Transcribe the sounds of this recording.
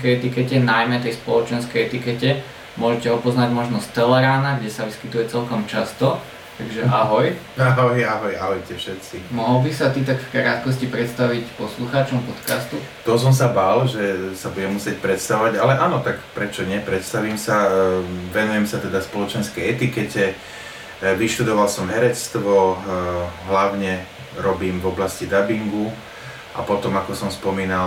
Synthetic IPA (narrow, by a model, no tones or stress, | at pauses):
kɛjɛt̪ikɛcɛnajmɛt̪ɛjspɔlɔt͡ʃɛnskɛjɛt̪ikɛcɛ | mʊɔʒɛcɛɦɔpɔznaɟmɔʒnɔst̪ɛlɛɾaːnaɡɟɛsaʋiskit̪ujɛt͡sɛlkɔmt͡ʃast̪ɔ | t̪aɡʒɛʔaɦɔj | aɦɔjaɦɔjaɦɔjcɛfʃɛt̪simɔɦɔlbisat̪it̪akkɾaːt̪kɔscipɾɛt̪st̪aʋicpɔsluxaːt͡ʃɔmpɔt̪ka̰st̪ut̪ɔs̬ɔmsabalʒɛsabuɟɛmːusɪɛc̚pɾɛt̪st̪aɔʋaɟalɛʔaːnɔt̪akpɾɛt͡ʃɔɲɪɛpɾɛt̪st̪aʋiːmsa | ʋɛnujɛmsat̪ɛd̪aspɔlɔt͡ʃɛnskɛjɛt̪ikɛcɛ | ʋiʃt̪ud̪ɔʋalsɔmɦɛɾɛt͡st̪ʋɔ | ɦlaʊɲɛ | ɾɔbiːmvɔblascid̪abiŋɡu | ʔa̰pɔt̪ɔmakɔsɔmspɔmiːnal